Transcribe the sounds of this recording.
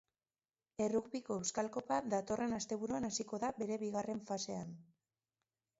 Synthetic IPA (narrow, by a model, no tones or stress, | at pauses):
e̞ruɣβiko̞e̞wskalko̞paðat̪o̞re̞nast̪e̞βuɾuanasiko̞ðabe̞ɾe̞βiɣare̞ɱfase̞an